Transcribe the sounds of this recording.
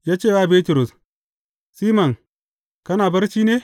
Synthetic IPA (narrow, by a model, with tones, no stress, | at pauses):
jaː˦t͡ʃeː˦˨wa˦˨be˦tu˨ɾu˨s | si˦ma˨ŋ | kɐ˦naː˨bɐ˦ɾt͡ʃi˦ne˦